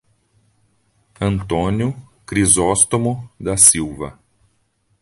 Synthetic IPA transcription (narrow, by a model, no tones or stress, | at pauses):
ɐ̃nt̪õnjʊkɾizɔst̪omʊd̪ɐsiwvɐ̰